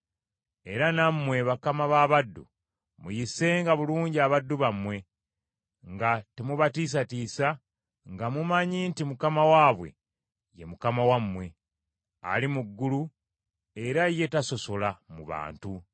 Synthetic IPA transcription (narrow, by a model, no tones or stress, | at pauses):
e̞ɾanamːwe̞βakamaβaβadːṵ | mujise̞ːŋɡaβuluːɲɟiaβadːuβamwe̞ | ŋɡatemuβatis̬atiːsa | ŋɡamumaɲiːntimukamawaːβwe̞̰ | je̞̰mukamawamːwe̞ | a̰limuɡːulu | e̞ɾaje̞taso̞so̞lamuβa̰ːntu